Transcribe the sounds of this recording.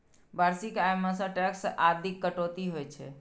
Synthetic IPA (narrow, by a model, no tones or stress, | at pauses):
baɾsikajmasə̃ʈɛksʔad̪ʱikːəʈot̪iɦojt͡ʃʰɛ̰